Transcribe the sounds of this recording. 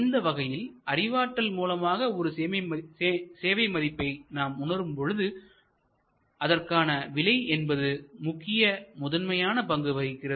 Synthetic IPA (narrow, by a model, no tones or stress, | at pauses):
ɪnd̪ɐʋɐɣɐjɪlɐrɪʋaːʈːɐlmuːlɐmaːɣɐɔɾɯ | seːʋɐɪmɐðɪpːɐɪnaːmʊnɐɾɯmpɔɻɯðɯ | ɐðɐrkaːnɐʋɪɭɐɪɛnbɐðɯmʊkːɪjɐmʊðɐnmɐjaːnɐpɐŋɡɯʋɐɣɪkːɪrɐ